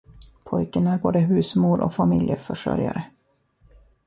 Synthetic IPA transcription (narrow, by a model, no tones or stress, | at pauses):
pʰɔjkənæɾboːd̪əɦʉ̟ːsmuːlʔɔ̰famɪljəfœʂœ̰ɾja̰ɾə